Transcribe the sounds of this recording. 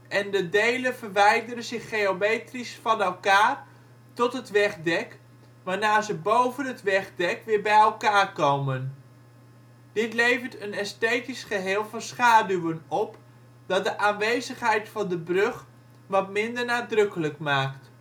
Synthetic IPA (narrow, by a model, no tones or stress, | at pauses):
ʔɛndədejlənvərʋɛjdərənzɪχːeomejtrisfɑnɛlˠkaːr | tɔtɦətʋɛχdɛk | ʋaːnaːɹzəbowvənɦətʋɛχdɛkʋɪːɹbɛjɛlˠkaːrkowmən | d̥ɪtlejvəɹtənɛstejtisχəɦɪːlˠvɑnsχaːdywənɔp | d̥ɑt̚dəʔaːnʋejzəχɦɛjtfɑndəbrɵχ | ʋɑtmɪndəɹnaːdrɵkələkmaːkt